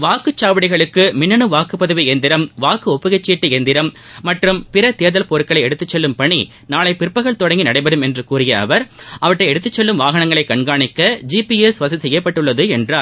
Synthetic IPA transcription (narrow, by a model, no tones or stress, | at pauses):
ʋaːkɯt͡ʃːaːʋɐɽɪɣɐɭɯkːɯmɪnːɐnɯʋaːkɯpːɐðɯʋiɛnd̪ɪɾɐmʋaːkɯɔpːɯɣɛt͡ʃːiːʈːɯɛnd̪ɪɾɐmː | ɐʈrɯmpɪɾɐt̪eːɾðɐlpoːɾɯkːɐɭɐɪɛɽɯt̪ːɯt͡ʃːɛlːɯmpɐɳi | naːɭɐɪpɪɾpːɐɣɐɭt̪ɔɽɐŋɡinɐɽɐɪbɐɾɯmɛndrɯkuːrɪjɐɐ̰ʋɐɾʔɐʋɐʈːɐɪɛɽɯt̪ːɯt͡ʃːɛlːɯmʋaːɣɐnɐŋɡɐɭɐɪkːɐɳɡaːɳɪkːɐd͡ʒiːpiɛsʋɐs̬ɐsɛjːɐpːɐʈːɯɭːɐðɯɛndraː